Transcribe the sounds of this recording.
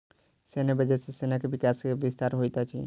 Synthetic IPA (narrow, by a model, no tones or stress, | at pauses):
senabəd͡ʒɛsesenakebɪkaskeʋɪst̪aɾɦojt̪at͡ʃʰḭ